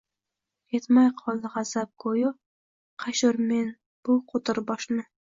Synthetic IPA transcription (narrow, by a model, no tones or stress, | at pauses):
et̪majqʰɒlˠd̪ɪʁɑzap̚kʰojʊ | qʰɑʃʊɾme̞n | b̥ʊqʰot̪ʰɪɾbɒʃnɪ